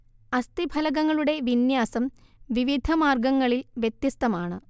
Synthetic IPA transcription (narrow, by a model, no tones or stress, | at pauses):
ɐst̪ibʱɐlɐɣɐŋːɐɭuɽe̞ʋinjaːsɐm | ʋiʋid̪ʱɐmaːrɡɐŋːɐɭilʋjet̪ːist̪ɐmaːɳɨ